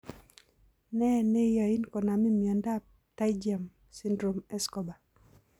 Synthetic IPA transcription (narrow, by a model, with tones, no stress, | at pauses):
nɛ˦ne˦ja˨i˦nkɔ˨na˨mi˦mja˨nda˦p | ta˦jd͡ʒia˨m | sɪ˦ndɾo˨mɛ˦skɔ˨ba˨